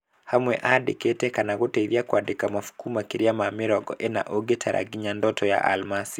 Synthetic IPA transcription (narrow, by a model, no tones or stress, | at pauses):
hamwɛʔadikɛtɛkanaɣutɛiɾiakwaɗikamafu̥kumakiɾiamamiɾɔɡɔ̰ʔɛna̰ʔoɡɛtʰaɾʔa̰ɡiɲandɔtɔja̰ʔa̰lmasi